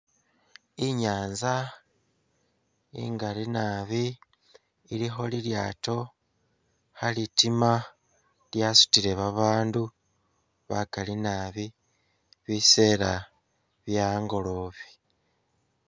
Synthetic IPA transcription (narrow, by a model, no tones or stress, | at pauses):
iɲaːnza | ḭŋɡalinaβiː | lixo̞liljaːto̞ | halitima | ljasu̥tiɾe̞βaβaːndu | βakalinaːβi | βise̞ːɾa | βjaːŋɡo̞lo̞ːβi̥